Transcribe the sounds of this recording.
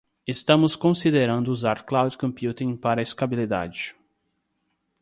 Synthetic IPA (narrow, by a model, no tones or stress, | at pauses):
est̪ɐ̃mʊskõsid̪eɾɐ̃nd̪ʊuzaɾklawd̪kõmpjut̪ĩpaɾɐist̪abilid̪a̰d͡ʒɪ